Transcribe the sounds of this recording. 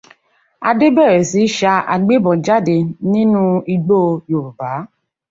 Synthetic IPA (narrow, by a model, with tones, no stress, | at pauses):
a˧de˦bɛ˦˨ɾe˨si˨˦ʃa˧a˨ɡ͡be˦bɔ̃˨d͡ʒa˦˨de˧nĩ˦nũ˦i˧ɡ͡bo˦˧jo˨ɾu˨baː˨˦